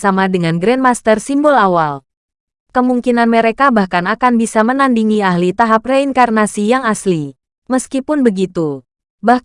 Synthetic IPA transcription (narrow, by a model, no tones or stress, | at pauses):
samadəŋanɡɾɛnmast̪ərsimbɔlawal | kəmuŋkinanməɾekabahkanakanbisamənandiŋiahlit̪aɦap̚reiŋkarnasijaŋasli | məskipʊnbəɡit̪u | bah